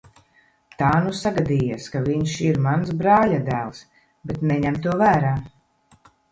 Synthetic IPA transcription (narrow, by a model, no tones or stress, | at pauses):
t̪aːnusaɡad̪iːjaskaviɲʃiɾmansbɾaːlad̪æːlˠs | bɛt̪nɛɲɛmt̪uɔvæːɾaː